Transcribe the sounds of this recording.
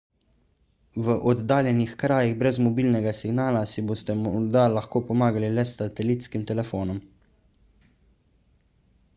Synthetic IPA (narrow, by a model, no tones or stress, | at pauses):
ʋəʔɔd̪ːaːljɛnixkɾaːjiɣbɾɛzmɔbiːlnɛɡasiɡnaːlasiboːst̪ɛmd̪alaxkoːpɔmaːɡalilɛsat̪ɛliːt̪skimt̪ɛlɛfoːnɔm